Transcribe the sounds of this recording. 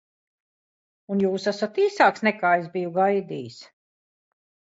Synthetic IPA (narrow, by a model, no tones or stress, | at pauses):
unjuːsasat̪iːsaːksnɛkaːezbijuɡajd̪iːs